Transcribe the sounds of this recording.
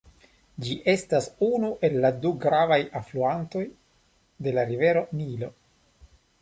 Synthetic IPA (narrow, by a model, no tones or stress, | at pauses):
d͡ʒiʔe̞stasunuʔe̞lːaduɡɾavajafluanto̞j | de̞laɾive̞ɾo̞nilo̞